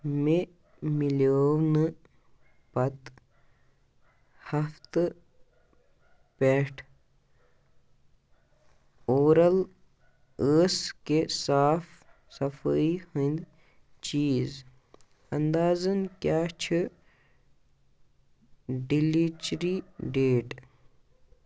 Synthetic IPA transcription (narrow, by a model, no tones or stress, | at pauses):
me | miloːwnɨ | pɐt̪ | hɐft̪ɨ | peːʈʰ | oːɾɐl | əːskesaːf | sɐfəihənd̪ | t͡ʃiːz | ɐnd̪aːzənkjaːt͡ʃʰi | ɖilit͡ʃɾiɖeːʈ